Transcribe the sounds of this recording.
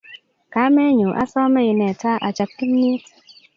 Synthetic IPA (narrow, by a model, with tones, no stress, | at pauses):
ka˨˦mɛ˦ɲu˨ʔa˦sɔ˦mɛ˦i˨nɛ˨ta˦ʔa˨t͡ʃa˨p̚kːi˦mɲi˦t